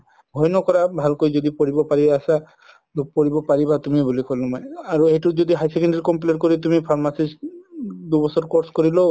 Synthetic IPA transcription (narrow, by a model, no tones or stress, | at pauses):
bʱɔjnɔkɔɾabʱalkojd͡ʒɔd̪ipɔɹibɔpaɹibasa | lupɔɹibɔpaɹibat̪umibulikɔlːɔmɔjaɾuejʈud͡ʒɔd̪iɦajsekendiɾkɔmpileɾkɔɾit̪umipʰaɾmasis | d̪ubɔsɔɾkɔɾskɔɾilo